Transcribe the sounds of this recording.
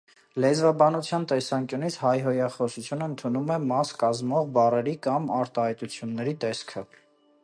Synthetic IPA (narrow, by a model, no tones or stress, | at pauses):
lɛzvɑbɑnut͡sʰjɑnt̪ɛsɑŋkjunit͡sʰhɑjɦɔjɑχɔsut͡sʰjunəənt̪ʰunumɛmɑskɑzmɔʁbɑrɛɾikɑmɑɾt̪ɑhɑjt̪ut͡sʰjunːɛɾit̪ɛskʰə